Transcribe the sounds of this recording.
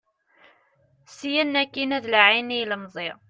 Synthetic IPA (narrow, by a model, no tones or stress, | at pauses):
sijænːækːinæðlaʕiniləmzˤɪʁ